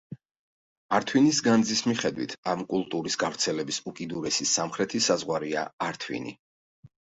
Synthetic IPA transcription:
aɾt̪ʰwinisɡand̪zismiχɛd̪wit̪ʰamkʼulˠt̪ʼuɾisɡavɾt̪sʰɛlɛbisukʼid̪uɾɛsisamχɾɛt̪ʰisazʁwaɾia̰aɾt̪ʰwḭnḭ

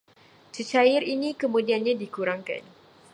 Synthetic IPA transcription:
t͡ʃət͡ʃajɪrinikəmũdianɲãdikuɾaŋka̰n

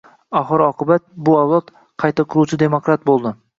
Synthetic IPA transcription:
ɒχɨɾɒqɨbat̪̚bʊawlˠɒt̪ | qʰɑjt̪akʰʊɾuwt͡ʃʰɪd̪e̞mokɾat̪̚bolˠd̪ɪ

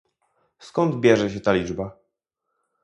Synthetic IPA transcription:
skɔnd̪bʲjɛʐɛɕɛt̪alʲid͡ʐba

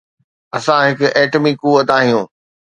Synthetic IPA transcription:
ɐsãɦɪkʊʔɛːʈmikuʋət̪aːɦijũː

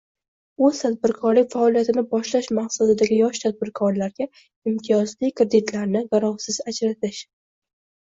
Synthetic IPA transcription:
ɵz̥t̪ʰad̪̚bɪɾkʰɒɾlɪk̚ʲfaɒlijat̪ɪnɪbɒʃlaʃmaqsad̪ɪd̪aɡʲɪjɒʃt̪ʰad̪̚bɪɾkʰɒɾlaɾɡʲa | ɪmt̪ʰijɒzlikʰɾed̪ɪt̪ʰlaɾnɪʁaɾɒχsɪzad͡ʒɾat̪ʰɪʃ

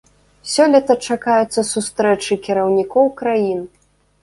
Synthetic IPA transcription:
sʲɔlʲɐt̪ɐt͡ʂakajɛt̪sːɐsust̪ɾɛt͡ʂɨkʲiɾɐwnʲikɔwkɾajin

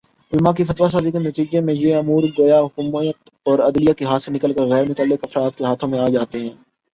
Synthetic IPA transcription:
ʊlmãkifɐt̪ʋas̬aːzikenɐt̪iːd͡ʒemẽjeɐmuːɾɡojaɦʊkːmət̪ | ɔːɾɐd̪lɪijakiɦaːt̪senɪkəlkəɾɣɛːɾmʊt̪aːlːɪkɐfɾaːt̪̚keɦaːt̪ʰõmẽaːd͡ʒaːt̪eɦɛ̃ː

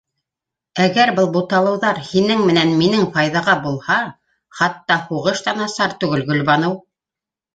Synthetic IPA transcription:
æɡæɾbɤlˠbut̪ɑlˠɤ̆wðɑɾhinɘŋmɘ̆nænminɘŋfɑjðɑʁɑbulˠhɑ | χɑt̪ːɑhuʁɤʃt̪ɑnɑsɑɾt̪ʉɡɘlɡɵ̆lβɑnɤw

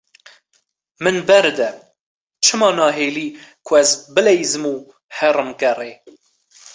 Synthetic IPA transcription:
mɨnbɛɾd̪ɛ | t͡ʃʰɨmɑːnɑːɦeːliːkʰʊɛzbɨlɛjzɨmuː | hɛrɨmkɛreː

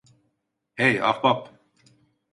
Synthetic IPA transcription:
heja̰fbap

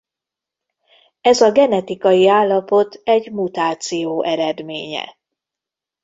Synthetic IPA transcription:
ɛzɒɡɛnɛt̪ikɒjiaːlːɒpo̞t̪ɛɟmut̪aːt̪sijoːʔɛɾɛd̪meːɲɛ̰

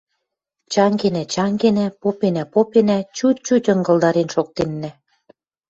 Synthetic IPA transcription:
t͡ɕɑŋɡenæt͡ɕɑŋɡenæpopenæpopenæt͡ɕut̪̚t͡ɕutʲɤ̆ŋɡɤ̆lˠd̪ɑɾenʃok̚t̪enːæ̆

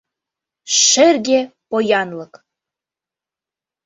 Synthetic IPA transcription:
ʃerɡʲepojɑnlɤ̆k

